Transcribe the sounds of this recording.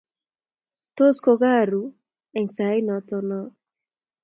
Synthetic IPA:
t̪o˦sko˧ɡa˦˨ɾu˨ | ɛ˨ŋsa˨˦ɪ˦nɔ˨tɔ˧nɔ˦

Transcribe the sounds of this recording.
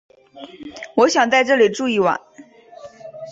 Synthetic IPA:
wɔ˧˥ɕjɑ˨˩ŋt͡sa˥˧ɪʈ͡ʂɤ˥˩li˨˩ʈ͡ʂu˥˧i˥˩wa̰˨˩˦n

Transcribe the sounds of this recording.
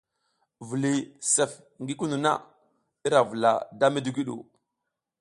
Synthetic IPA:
vu˨li˨se˨f | ŋɡi˦ku˦nu˨na̰˦ | i˦ɾa˨vu˨la̰˨da˦mi˦di˦ɡi˦ɗṵ˨

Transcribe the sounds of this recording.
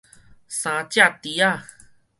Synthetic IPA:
sã˨t͡ɕa˦˧t̪i˨a˦˨

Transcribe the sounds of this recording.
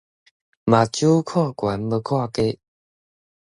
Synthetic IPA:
ma˨t͡ɕju˦kʰwa˥˨kwa˨˦nbə˧kʰwa˥˧˨ke˦

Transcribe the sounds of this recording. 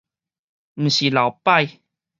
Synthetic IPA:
m̩˨˩ɕi˨˩la˨˩˦wpa˥˧˨j

